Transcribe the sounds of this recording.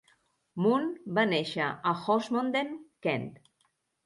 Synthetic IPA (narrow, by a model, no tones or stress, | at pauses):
munbaneʃaaxosmond̪enkɛnt̪